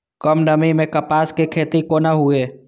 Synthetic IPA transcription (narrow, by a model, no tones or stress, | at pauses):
kəmnəmimẽkəpaːskekʰeːt̪ikonaɦʊeː